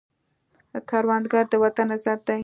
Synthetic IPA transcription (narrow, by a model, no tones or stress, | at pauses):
kɑɾwɑnd̪ɡɑɾd̪əwat̪anːazaɾd̪a